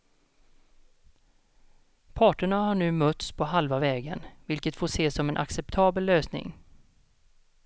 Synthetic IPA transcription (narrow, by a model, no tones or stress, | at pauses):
pʰɑːʈəɳahaɳʉ̟ːmœt̪spʰɔɦalvavɛːɡə̰nvɪlkət̪foːʂeːsɔmɛnʔa̰ksɛp̚t̪ʰɑːbəlːøːsnɪ̰ŋ